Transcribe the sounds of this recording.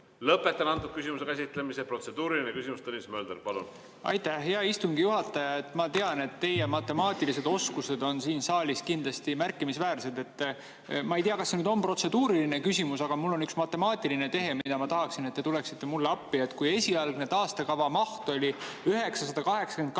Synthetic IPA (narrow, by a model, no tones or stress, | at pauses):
lɤpːˑe̞t̪ːˑɑnɑnt̪ːud̥̪̚kysʲimusekæsit̪ˑlemisepro̞t̪se̞d̪uːɾilinekysʲimust̪ɤnismø̞ːld̪eɾpɑlṵn | ɑ̰jt̪æhɦeɑist̪uŋɡijuɦɑt̪ːˑɑjɑe̞t̪ːˑmɑt̪e̞ɑne̞t̪ːe̞jemɑt̪ːe̞mɑːt̪ˑilise̞d̪o̞skuse̞d̪o̞nsiːnsɑːlʲiskind̪lɑst̪imærkːˑimisvæːrse̞d̪e̞t̪ː | mɑejt̪iɑkɑsːenyːd̪o̞mpro̞t̪se̞d̪uːɾiline̞kysʲimusɑɡ̥ɑmulːo̞nyksmɑt̪ːˑe̞mɑːt̪ʲːˑiline̞t̪e̞ɦe̞mid̪̥ɑmɑt̪ɑɦɑksinet̪ːe̞t̪ule̞ksit̪ːe̞mulːeɑpːiet̪ːˑkuje̞sʲiɑlɡ̥ned̪ɑːst̪ɑkɑvɑmɑht̪o̞lʲiyɦe̞ksɑsɑd̪̥ɑkɑɦe̞ksɑ̥ke̞nk